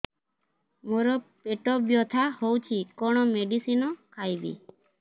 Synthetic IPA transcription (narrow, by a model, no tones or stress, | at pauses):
moɾɔpeʈɔbjɔt̪ʰahowt͡ʃʰikɔɽ̃ɔmeɖisinɔkʰajbḭ